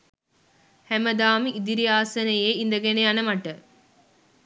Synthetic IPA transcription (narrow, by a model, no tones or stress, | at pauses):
hæməd̪aːmiʔid̪iɾiaːsɐnejeːind̪əɡeneanəmɐʈə